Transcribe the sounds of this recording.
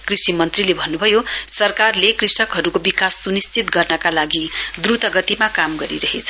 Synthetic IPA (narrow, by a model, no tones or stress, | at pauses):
krisimʌnt̪rilebʱʌnːubʱʌjosʌrkarlekrisʌkɦʌɾukobikasːunist͡sit̪ɡʌrnʌkalaɡid̪rut̪ʌɡʌt̪imakamɡʌɾiɾʌɦet͡sʰʌ̥